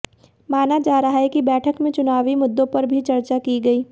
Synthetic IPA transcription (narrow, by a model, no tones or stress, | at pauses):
maːnad͡ʒaːɾaɦaɦɛkibɛːʈʰəkmẽt͡ʃʊnaːʋimʊd̪ːõpɐɾbʱit͡ʃɐɾt͡ʃakiɡɐiː